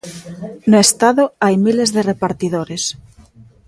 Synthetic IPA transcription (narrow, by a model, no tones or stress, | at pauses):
noest̪aðoajmilezðerepaɾt̪iðoɾes